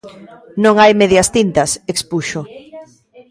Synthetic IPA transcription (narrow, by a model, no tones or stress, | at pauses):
nõŋajmeðjɐst̪int̪ɐsekspuʃo